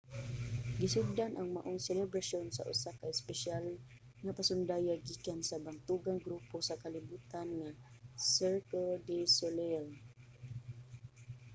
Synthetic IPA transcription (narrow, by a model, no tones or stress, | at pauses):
ɡisʊd̪anʔaŋma̰ʔʊŋsɛlɛbɾaʃonsa̰ʔʊ̰sakaɪspɛʃal | ŋapasʊnd̪ajaɡikansabant̪uɡaŋɡɾuposakalibut̪anŋasɛɹkəldisolel